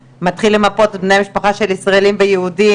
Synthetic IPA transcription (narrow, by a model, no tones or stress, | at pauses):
mat̪χilːemapo̞t̚bne̞jamiʃpaχaʃe̞lisʁaelimvejeudi